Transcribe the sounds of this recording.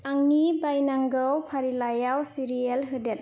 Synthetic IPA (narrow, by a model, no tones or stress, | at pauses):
aŋnibajnaŋɡəwpʰaɾilajawsiɾielɦɯdet̚